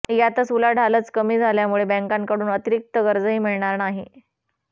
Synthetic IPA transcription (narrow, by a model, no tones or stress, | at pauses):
jat̪əsulaɖʱalət͡skəmiːd͡zʱaljamuɭebɛ̃ŋkãŋkəɽuːnət̪iɾik̚t̪əɡəɾd͡zəɦiːmiɭɳaɾnaɦi